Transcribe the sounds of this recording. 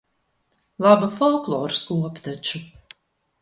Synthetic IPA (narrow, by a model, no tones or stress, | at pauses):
lˠabafɔlˠklˠɔːɾskuɔpt̪at͡ʃu